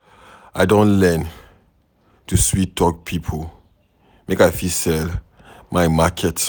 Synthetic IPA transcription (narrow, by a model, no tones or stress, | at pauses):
ʔa̰ɪdõnlɛn | tuswitːɔk̚pʰipʰo | mekaɪfisɛl | maɪmakʰɛt